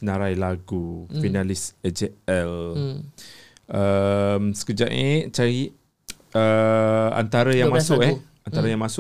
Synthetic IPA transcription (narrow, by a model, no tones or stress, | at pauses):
nãɾajlaɡufinalɪsɛd͡ʒeɛl | ʔəmsə̥kəd͡ʒaʔḛt͡ʃaɾi | əa̰nt̪aɾajaŋmãsʊkɛ | ant̪aɾajaŋmãsʊ